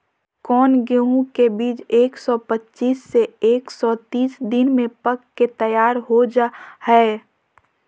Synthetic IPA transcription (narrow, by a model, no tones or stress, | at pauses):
kɔːnɡeũkebiːt͡ʃeːksɔpətːʃiːsːeeːksɔt̪iːsd̪ɪnmẽpəkːet̪əjaːɾɦod͡ʒahɛ